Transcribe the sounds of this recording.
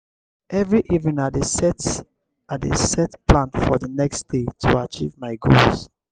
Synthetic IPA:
ʔɛvɹiʔivnĩnadesɛt | aḛsɛtplãnfɔðənɛkstd̥etʰuat͡ʃḭvmaɪɡo̰ls

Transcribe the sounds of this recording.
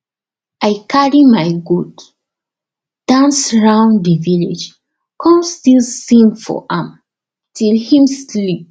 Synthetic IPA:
aɪkʰaɹimaɪɡod | d̥ãnsɹãʊ̃ndivilḛd͡ʒ | kʰɔ̃mstilssĩmfɔ̰ʔãm | tʰilhĩmslip̚

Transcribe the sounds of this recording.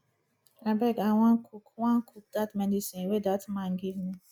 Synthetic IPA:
abɛɡawãnkʰukwãnkʰuk̚datmɛdisĩnwedatmãnɡivmi

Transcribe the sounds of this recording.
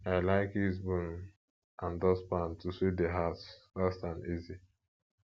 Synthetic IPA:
aɪlaɪkizbun | ãndɔspãntusedeɦatfastãnizi

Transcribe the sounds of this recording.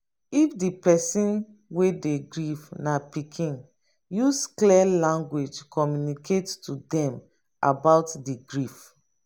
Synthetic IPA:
ifdipɛsĩn | wedeɡɹifnapikʰĩn | juskliɛlãŋɡwed͡ʒkɔmjunikʰettudɛ̃m | ʔa̰baʊtdiɡɹif

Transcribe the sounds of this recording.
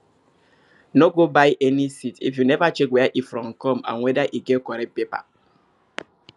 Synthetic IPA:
noɡobajʔɛnisitḭfjunɛvat͡ʃekwɛaʔifɾɔ̃mkɔmã̰nwɛdaʔiɡɛtkɔɾɛt̚pepa̰

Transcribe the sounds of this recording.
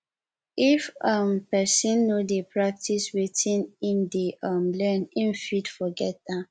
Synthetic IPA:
ifʌmpɛsĩnːodepɹak̚tʰiswetĩnĩndeʔʌmlɛnĩnfidfɔɡɛt̚a

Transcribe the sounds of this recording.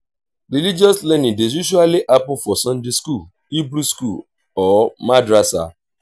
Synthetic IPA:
ɾilid͡ʒɔslɛnĩdezjuʃ̬ualiʔapʊfɔsɔ̃ndiskul | ibɾuskul | ɔmadɾasa̰

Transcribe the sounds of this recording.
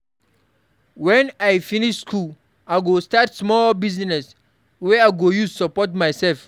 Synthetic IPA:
wɛ̃najfiniʃskʰul | aɡostatsmɔlbiznɛs | wɛajɡojusapɔtmajsɛlf

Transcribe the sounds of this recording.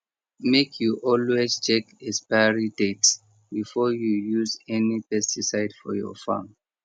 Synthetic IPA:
mekʰjuʔɔlwezt͡ʃʰɛkɛspaɹidets | bifɔjujuzɛnipɛstʰisaɪdfɔ̰jɔ̰fã̰m

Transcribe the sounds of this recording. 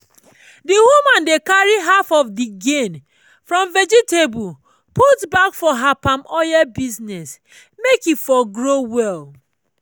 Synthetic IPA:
diwumãndekaɹiɦafɔfdiɡẽn | fɹɔ̃mvɛd͡ʒitebu | putbakfɔɦapãmɔjabiznɛs | mekifɔɡɹowɛl

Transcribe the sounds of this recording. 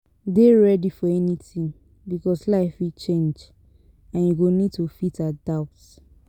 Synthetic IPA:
deɹɛdifɔɛnitĩn | bikɔslaɪfwit͡ʃẽnd͡ʒ | ãnjuɡonid̚tufitadaʊts

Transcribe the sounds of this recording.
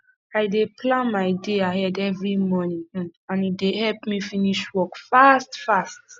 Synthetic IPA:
aɪdeplãnmaɪdeaɦɛdɛvɹimɔnĩŋãnidehɛlpmifiniʃwɔkfastfast

